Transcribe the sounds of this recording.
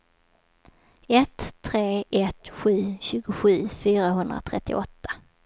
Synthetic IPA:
ɛt̪ʰːɾeːʔɛt̪ɧʉ̟ːɕʉ̟ːɡʊɧʉ̟ːfyːɾaɦɵnd̪ɾa̰t̪ʰɾɛt̪ːɪ̰ʔɔt̪ʰːḁ

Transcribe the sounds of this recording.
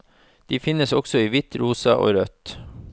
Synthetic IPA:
d̪̥iːfɪnəsɔksɔiːʋɪt̪ʰɾuːsɑʔo̰ːɾœt̪

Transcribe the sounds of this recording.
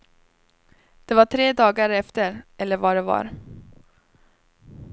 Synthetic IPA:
d̪̥ɛvaʈʰɾeːd̪ɑːɡaɾɛft̪əɾʔɛlːəɾvaɖɛva̰ɾ

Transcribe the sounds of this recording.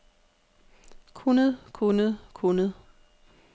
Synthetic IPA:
kʰunəð̩ˠkʰunəð̩ˠkʰonəð̩ˠ

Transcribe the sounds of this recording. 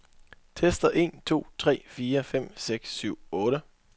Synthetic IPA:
t͡sʰesd̥ɐʔe̝̰ːnt͡sʰo̝̰ːt͡sʰʁɛ̰ːfiːɐfem̰seɡ̥sːyʊ̰ɔ̽ːɾə

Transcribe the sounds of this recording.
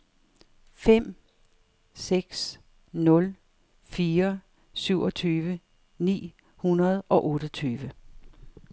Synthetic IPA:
fem̰ | seɡ̥s | nɔ̽l | fiːɐ | syʊ̰ʔɒ̽t͡sʰyːʋə | nḭː | hunɐð̞ˠʔɒ̽ʔɔ̽ːɾ̥ət͡sʰyːʋə

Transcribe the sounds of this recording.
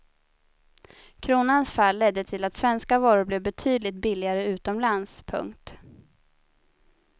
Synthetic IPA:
kʰɾuːnansfalːɛd̪ːət̪ʰɪlat̪svɛnskavɑːɾʊblɛvbɛt̪ʰyːd̪lɪt̪̚bɪlɪɡaɾəʉ̟ːt̪ɔmlanspʰɵ̰ŋkt̪

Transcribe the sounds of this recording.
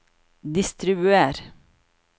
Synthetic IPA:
d̪ɪst̪ɾɪbʉeːɾ

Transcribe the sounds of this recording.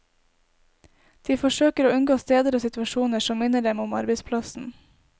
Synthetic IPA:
d̪̥iːfɔʃøːkəɾoːʉnɡoːst̪eːd̪əɾoːsɪt̪ʉɑʃuːnəʃɔmmɪnəɖɛmʊmɑ̰ɾbəɪspʰlɑsn̩

